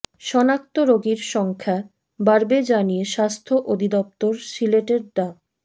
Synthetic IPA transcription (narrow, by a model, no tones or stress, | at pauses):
ʃɔnakt̪oɾoɡiɾʃɔŋkʰa | baɾbed͡ʑanijeʃast̪ʰoʔod̪ʱid̪ɔp̚t̪oɾsileʈeɾd̪a